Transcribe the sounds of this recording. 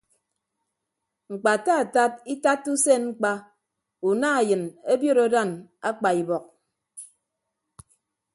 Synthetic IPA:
ŋ͡m̩˨k͡pa˨ta˦a˨ta˦p̚i˦ta˦tːu˦se˦nŋ͡m̩˦k͡pa˦ | u˨na˦a˨jɨ˨ne˦bjo˦ɾo˦da˦˨na˦k͡pa˨i˨bɔ˨k̚

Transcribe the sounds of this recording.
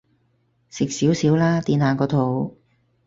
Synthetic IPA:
sɪ˨k̚siː˨˥wsiː˨˥wlaː˥t̪iː˨˧˥nhaː˨˧kɔː˧t̪ʰo˨˧w

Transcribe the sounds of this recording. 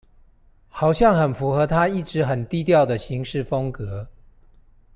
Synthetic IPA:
xɑ˨˩ʊɕjɑ˥˩ŋxə˨˩nfu˧˥xɤ˧˦t̪ʰa˥i˥˩ʈ͡ʂɻ̩˨˦xə˨˩nt̪i˥˧t̪jɑ˥˨ʊd̪ə˨ɕi˧˦ŋʂɻ̩˥˨fɤ˦ŋkɤ˧˦

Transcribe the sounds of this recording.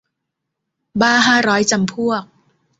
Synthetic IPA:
baː˥˩ɦaː˥˩ɾɔː˦˥jt͡ɕa˧mpʰu˥˩ək̚

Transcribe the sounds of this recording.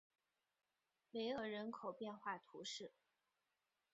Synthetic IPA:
le˧˥ɪə˞˨˩ɻə˧˥nkʰo˨˩ʊpjɛ˥˧nxwa˥˩t̪ʰu˧˥ʂɻ̩˥˩

